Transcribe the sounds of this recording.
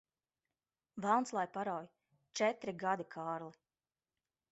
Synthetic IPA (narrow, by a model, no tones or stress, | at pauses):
vælˠnslˠajpaɾawj | t͡ʃɛt̪ɾiɡad̪ikʰɑːɾli